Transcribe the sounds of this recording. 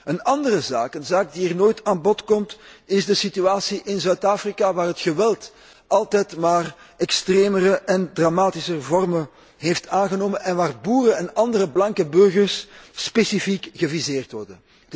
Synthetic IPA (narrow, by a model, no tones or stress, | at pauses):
ənɑndərəzaːkənzaːk̚diərnoːjtaːnbɔtkɔmtɪzdəsityaːsiʔɪnzœɥtaːfrikaʋaːrɦətxəʋɛlˠt | ʔɑlˠtɛjtmaːr | ɛkstreːmərəʔɛndramaːtisərvɔrmə | ɦeftaːnɣənoːmənʔɛnʋaːrbuːrəɛnɑndərəblɑŋkəbɵrɣərsːpesifikɣəvizeːrtʋɔrdən